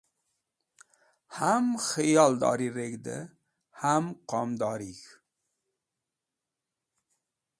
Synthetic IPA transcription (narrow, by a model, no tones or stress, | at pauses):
hamxijɑld̪ɑ̰ɾiɾeɡd̪ə̰ | hamqɑmd̪ɑːɾik